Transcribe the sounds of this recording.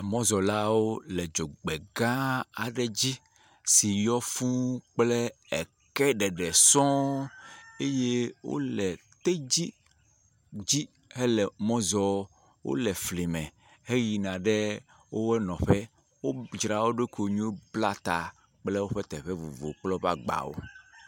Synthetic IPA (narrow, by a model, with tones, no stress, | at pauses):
mɔ̃˦zɔ˨la˦wo˦lɛ˨d͡ʒo˨ɡ͡be˨ɡã˦a˨ɖe˨d͡ʑi˦ | si˨jɔ˦fũ˦k͡plɛ˦ | ɛ˨ | kɛ˦ɖɛ˨ɖɛ˨sɔ̃˦ | e˦je˦wo̰˦lɛ˨t̪e˦d͡ʑi˦ | d͡ʑi˦ | ɦe˦lɛ˨mɔ̃˦zɔ˦ | wo̰˦lɛ˨fli˨mɛ̃˨ | ɦe˦ji˨nã˨ɖɛ˦ | wo˦wɛ˦nɔ̃˨ɸɛ˦ | wo˦d͡ʒɾa˨wo˦ɖe˦ko˨ɲũ˦o˦bla˦t̪a˨ | k͡plɛ˦wo˦ɸe˦t̪ɛ˨ɸe˦vu˨vo˨k͡plɔ˦βa˦ɡ͡ba̰˨wo̰˦